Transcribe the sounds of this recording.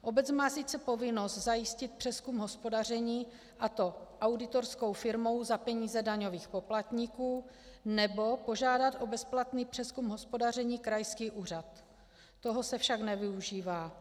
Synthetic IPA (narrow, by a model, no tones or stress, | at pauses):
ʔobɛt͡smaːsit͡sɛpo̞vɪnost̪zajɪscɪt̪̚pr̥ɛskumɦo̞spo̞dar̝ɛɲiː | ʔat̪o̞ʔawdɪt̪o̞ɾsko̞wfɪɾmo̞wzapɛɲiːzɛdaɲo̞viːxpo̞plat̪ɲɪkuː | nɛbo̞po̞ʒaːdat̪ʔo̞bɛsplat̪niːpr̥ɛskumɦo̞spo̞dar̝ɛɲiːkɾajskiːʔuːr̝at̪ː | o̞ɦo̞sɛfʃaknɛvɪuʒiːvaː